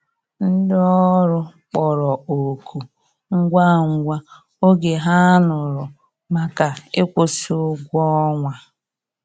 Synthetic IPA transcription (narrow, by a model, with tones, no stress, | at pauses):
n̩˦dɔ˦ɾʊ˦k͡pɔ˨ɾɔ˨o˨kʰu˨ | ŋ̩˦ɡʷa˦˨ŋ̩˨ɡʷa˦ | o˦ɡe˨ɦa˦nʊ˨ɾʊ˨ | ma˨ka˨e˦kʷo˨si˨˦o˦ɡʷɔ˦ŋʷa˨